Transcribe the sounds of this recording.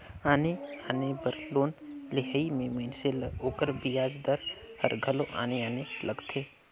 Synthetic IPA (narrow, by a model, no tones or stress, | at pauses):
aːneaːnebəɾloːnlɪɦəimẽmenseloːkəɾbijaːd͡ʒd̪əɾhə̰ɾɡʱəlõʔa̰ːneaːneləɡt̪ʰeː